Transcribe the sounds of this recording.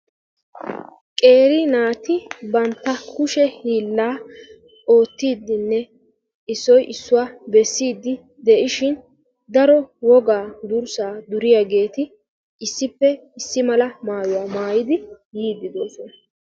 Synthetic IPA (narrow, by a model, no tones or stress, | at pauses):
kʼe̞ːɾinaːt̪ɪbɐnt̪ːɐkʊʃɛhiːlːaː | o̞ːt̪ːiːd̪ːɪnːɛ | ɪsːɔjʔɪsːʊwaːbɛsːiːd̪ːɪ | d̪ɛʔɪʃɪn | d̪ɐɾɔwɔɡaːd̪ʊɾsaːd̪ʊɾɪjaɡe̞ːt̪ɪ | ɪsːɪpːɛ | ɪsːɪmɐlɐmaːjʊwaːmaːjɪd̪ɪ | jiːd̪ːɪd̪o̞ːsɔnɐ